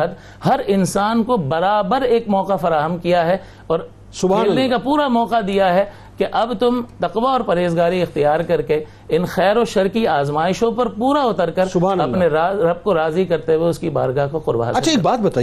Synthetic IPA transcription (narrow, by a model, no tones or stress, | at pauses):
ɐd̪ | hɐɾɪnsaːnkobɐɾaːbəɾeːkmɔːqafɐɾaːɦəmkijaɦɛ | ɔːɾ | sʊbanekapuːɾamɔːqad̪ijaɦɛ | keʔɐbt̪ʊmt̪ɐqʋaɔːɾpɐɾeːzɡaːɾiɪxt̪ijaːɾkɐɾke | ɪnxɛːɾoʃɐɾkiaːzmaːɪʃõpɐɾpuːɾaʊt̪əɾkɐɾʊɐpneɾaɾɐb̚koɾaːzikɐɾt̪eweʊskiba̰ːɾɡaɦkoqʊɾba̰ːɐt͡ʃʰaeːkbaːt̪̚bɐt̪aː